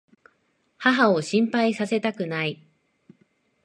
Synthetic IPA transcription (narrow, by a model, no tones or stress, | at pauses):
haɦao̞ɕĩmpaisase̞t̪akɯ̟nai